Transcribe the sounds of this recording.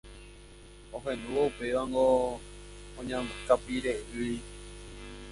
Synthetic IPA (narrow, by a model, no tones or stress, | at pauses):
õɦẽnũwoupe̞ʋaŋɡo | õɲãmkapiɾeʔɨi